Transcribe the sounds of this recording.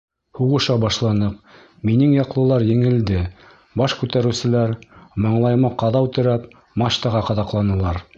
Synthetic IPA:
huʁɤ̆ʃɑbɑʃlˠɑnɤq | minɘŋjɑqlˠɤ̆lˠɑɾjɘ̆ŋɘ̆ld̪ɘ | bɑʃkʉt̪æɾɘ̆wsɘ̆læɾmɑɴlˠɑjmɑqɑðɑʉt̪ɘ̆ɾæp | mɑʃt̪ɑʁɑqɑðɑqlˠɑnɤ̆lˠɑɾ

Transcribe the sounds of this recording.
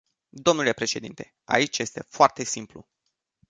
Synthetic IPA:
d̪o̞mnule̞pɾe̞ʃe̞d̪int̪e̞̥ | a̰it͡ʃʲje̞st̪e̞foart̪e̞simplṵ

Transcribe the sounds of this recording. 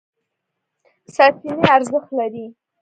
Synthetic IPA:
sɑt̪ineaɾzəxt̪laɾi

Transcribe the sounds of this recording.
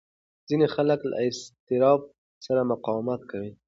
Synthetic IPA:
z̥inexaləkla̰ɪst̪ɪɾɑb̚ | saɾamʊqɑwmat̪̚kawi

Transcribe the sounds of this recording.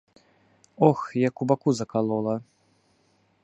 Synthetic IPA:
ɔxjɐkubakuzɐkalˠɔlˠɐ

